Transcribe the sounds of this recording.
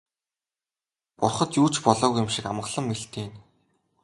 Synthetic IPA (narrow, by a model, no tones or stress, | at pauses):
pʊrχɞ̆t̪juːt͡ɕpɔɮɔːɣujʊ̆mʃikamɢə̆ɮə̆mːeɬt̪eːn